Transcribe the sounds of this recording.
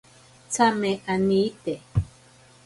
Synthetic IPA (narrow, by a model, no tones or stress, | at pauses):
t͡sameʔanit̪e